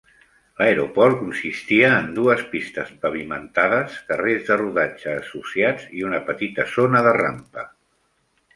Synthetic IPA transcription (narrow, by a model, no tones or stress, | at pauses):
ləeɾopɔɾkunsist̪iəːnd̪uəspist̪əzpəβimə̰nt̪aðəskərezðəruðad͡ʒəːsusiad͡ziunəpət̪it̪əzonəðəra̰mpə